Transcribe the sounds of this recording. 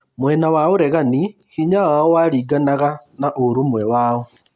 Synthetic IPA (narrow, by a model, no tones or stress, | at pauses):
mwɛnawaoɾɛɣani | hiɲawaɔwaɾiːɡanaɣanaʔoɾumwɛwaːɔ